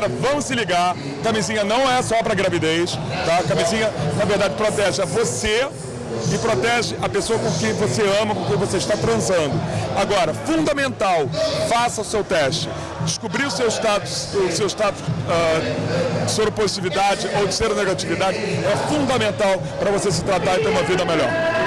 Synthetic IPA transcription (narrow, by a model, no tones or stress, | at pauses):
ɾɐvɐ̃m̃ʊsɪliɡaɾ | kamizĩɲɐnɐ̃w̃ɛsɔpɾɐɡɾavid̪ejst̪akamizĩɲɐnɐveɾd̪ad͡ʒɪpɾot̪ɛʒɪɐvose | ɪpɾot̪ɛʒɪʔɐpesoɐkõkẽj̃voseɐ̃mɐkõkẽj̃voseɪʃt̪at̪ɾɐ̃zɐ̃nd̪ʊaɡɔɾɐfũnd̪ɐmẽnt̪awfasɐʊsewt̪ɛʃt͡ʃɪ̥ | d͡ʒɪʃkubɾiʊsewɪʃt̪at̪ʊ̥sʊsewɪʃt̪at̪ʊ̥sɛ | sobɾɪpozit͡ʃivid̪ad͡ʒɪʔowd͡ʒɪseɾneɡat͡ʃivid̪ad͡ʒɪɛfũnd̪ɐmẽnt̪aw | pɾɐvosesɪ̥t̪ɾat̪aɾɪt̪eɾũmɐvid̪ɐmeʎɔ̰ɾ